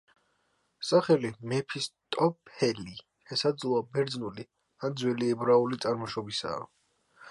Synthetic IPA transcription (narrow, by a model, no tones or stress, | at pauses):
saχɛlimɛpʰist̪ʼɔpʰɛli | ʃɛsad̪zlˠɔabɛɾd̪znuli | and̪zwɛliɛbɾaulit̪sʼaɾmɔʃɔbisa̰ː